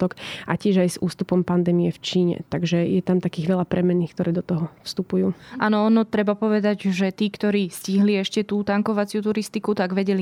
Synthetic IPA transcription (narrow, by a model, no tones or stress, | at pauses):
ɔkʔacɪɛʒajzuːst̪upɔmpand̪ɛːmijɛft͡ʃiːɲɛ̰t̪aɡʒɛjɛt̪amt̪akiːɣʋɛlapɾɛmɛnːiːxk̚t̪ɔɾɛːd̪ɔt̪ɔɦɔfst̪upujuːʔaːnɔɔnɔt̪ɾɛbapɔʋɛd̪aɟʒɛt̪iːkt̪ɔɾiːsciɦliɛʃcɛt̪uːt̪aŋkɔʋat͡sɪut̪uɾist̪ikut̪aɡʋɛɟɛli